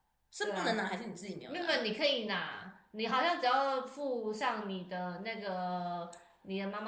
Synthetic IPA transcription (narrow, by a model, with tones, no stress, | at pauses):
ʂə˥npu˥˧nə˧ŋna˨˩a˧˥ɪʂɻ̩˥˩n˨˩t͡sɹ̩˥˩t͡ɕi˨˩mḛ˧˥˨i˥fə˧˨˩ni˨˩kʰɤ˧˥i˨˩na˨˩ni˨˩xɑ˨˩ʊɕjɑ˥˩ŋʈ͡ʂɻ̩˨˩jɑ˥˧ʊfu˥˧ɕjɑ˥˩ŋni˨˩d̪ə˧˦na˥˩ɡə˩ | ni˨˩d̪ə˦ma˥m